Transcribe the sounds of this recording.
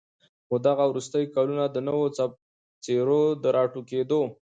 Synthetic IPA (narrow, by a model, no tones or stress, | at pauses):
xod̪aɣawɾust̪əjkɑlunad̪ənəwot͡sa | t͡seɾod̪əɾɑʈuked̪o